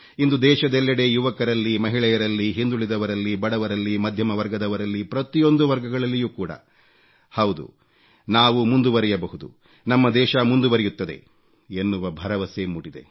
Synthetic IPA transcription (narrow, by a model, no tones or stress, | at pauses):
ind̪ud̪ɛːʃɐd̪ɛlːɐɽe̞juʋɐkɐɾɐlːimɐɦiɭɛjɐɾɐlːiɦind̪uɭid̪ɐʋɐɾɐlːibɐɽɐʋɐɾɐlːimɐd̪ʱjɐmɐʋɐɾɡɐd̪ɐʋɐɾɐlːipɾɐt̪ijo̞nd̪uʋɐɾɡɐɡɐɭɐlːijuːkuːɽɐ̰ | hɐwd̪ṵ | naːʋumund̪uʋɐɾɛjɐbɐɦud̪ṵ | nɐmːɐd̪ɛːʃɐmund̪uʋɐɾɛjut̪ːɐd̪e̞̰ | enːuʋɐbʱɐɾɐʋɐsemuɽid̪e̞̰